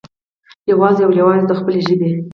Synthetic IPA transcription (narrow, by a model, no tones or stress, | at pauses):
jawɑzejawlawɑzd̪əxpəleʒəbe